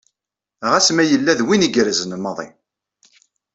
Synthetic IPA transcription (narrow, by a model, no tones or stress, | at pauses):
ʁæsmæjəlːæðwiniɡɾəzənəmːɑðˤḭ